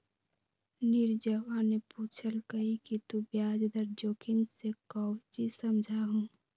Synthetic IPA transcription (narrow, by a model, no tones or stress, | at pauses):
nɪɾd͡ʒəʋaːnepuːt͡ʃʰəlkəikit̪ũbjaːd͡ʒd̪əɾd͡ʒoːkʰɪnsekɔwt͡ʃisəmd͡ʒʱaɦũ